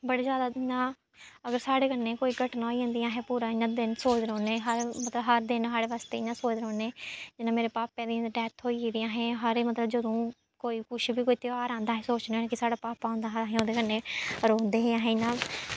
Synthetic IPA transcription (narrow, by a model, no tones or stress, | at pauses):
bəɽeːzjaːd̪aːnãː | əɡəɾsaːɽeːkənːeːkoːiːɡəʈnãːoiːõːnd̪ijãːɦɛ̃ːpuːɾãːinãːd̪ɪnsoːd̪ɾõːneːɦəɾmət̪ləbɦəɾd̪ɪnɦaːɽeːʋaːst̪eːiːnãːsoːd̪ɾoːneːd͡ʒɪnãːmeːɾeːpaːpːɛ̃ːnd̪ĩɖɛːt̪ʰɦoːiːid̪ɪjãːɦɛ̃ːɦəɾeːmət̪ləbd͡ʒəd̪õː | koːiːkʊʃbiːkoːiːt̪ɪaːɾãːnd̪aːɦɛ̃ːsoːt͡ʃneːnẽːkɪsaːɽaːpaːpãːʊ̃nd̪aːɦːɦẽːoːd̪eːkənːẽːɾoːnd̪eːɦeːãːɦẽnãː